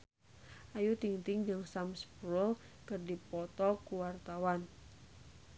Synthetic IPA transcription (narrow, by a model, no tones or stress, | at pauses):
ʔajut̪iŋt̪ɪŋd͡ʒɨŋsamspɾʊl | kərdipɔt̪ɔkuwart̪awan